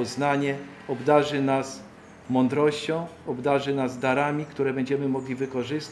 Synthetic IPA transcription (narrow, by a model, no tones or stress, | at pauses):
ɔznaɲɛ | ɔbd̪aʐɘnas | mɔnd̪ɾɔɕt͡ɕɔ̃w̃ɔbd̪aʐɘnazd̪aɾamʲikt̪uɾɛbɛɲd͡ʑɛmɘmɔɡlʲivɘkɔʐɘst̪